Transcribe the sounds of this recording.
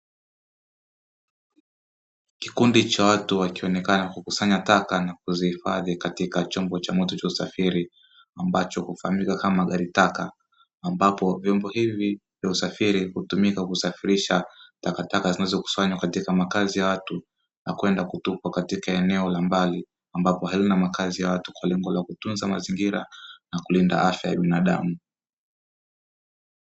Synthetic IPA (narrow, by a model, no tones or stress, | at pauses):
ki̥kundit͡ʃawatuwakiɔnɛkanakukusaɲatakanakuzihifaðikatikat͡ʃɔmbɔt͡ʃamɔtɔt͡ʃausafiɾi | ambat͡ʃɔkufahamikakamaɠaɾitakaː | mbapɔvjɔmbɔhivivjausafiɾihutumikakusafiɾiʃatakatakazinazɔku̥swaɲwakatikamakazijawatu | nakwɛndakutupwakatikaɛnɛɔlambali | ambapɔhalinamakazijawatu̥kwalɛŋɡɔlakutunzamaziŋɡiɾanakulinda̰ʔafjaja̰ɓinaɗamu